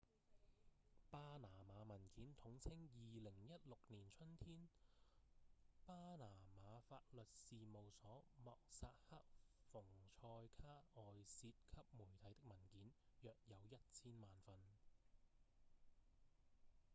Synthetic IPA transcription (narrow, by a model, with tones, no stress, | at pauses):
paː˥naː˨˩maː˨˧mɐ˨˩nkiː˨˥nt̪ʰʊ˨˥ŋt͡sʰɪ˥ŋjiː˨lɪ˨˩ŋjɐ˥t̚lʊ˨k̚niː˨˩nt͡ʃʰɵ˥nt̪ʰiː˥n | paː˥naː˨˩maː˨˧faː˧t̚lɵ˨t̚siː˨mo˨wsɔː˨˥mɔː˨k̚sa̰ː˧t̚hɐ˥k̚fʊ˨˩ŋt͡ʃʰɔː˧jkʰaː˥ʔɔː˨jsiː˧t̚kʰɐ˥p̚muː˨˩jt̪ʰɐ˨˥jt̪ɪ˥k̚mɐ˨˩nkiː˨˥njœː˨k̚jɐ˨˧wjɐ˥t̚t͡sʰiː˥nmaː˨nfɐ˧n